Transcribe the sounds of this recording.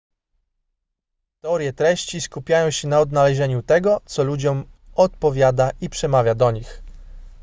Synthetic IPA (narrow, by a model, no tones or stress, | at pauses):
t̪ɛɔɾʲjɛt̪ɾɛɕt͡ɕiskupʲjajɔ̃w̃ɕɛnaɔd̪nalɛʑɛɲut̪ɛɡɔt̪sɔlud͡ʑɔmɔt̪̚pɔvʲjad̪aʔipʂɛmavʲjad̪ɔɲix